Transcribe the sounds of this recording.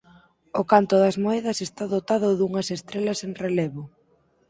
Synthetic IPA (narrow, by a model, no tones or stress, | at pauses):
okant̪ʊðɐzmoɛð̞ɐsest̪aðot̪aðʊðuŋɐsest̪ɾelɐsenrelɛβʊ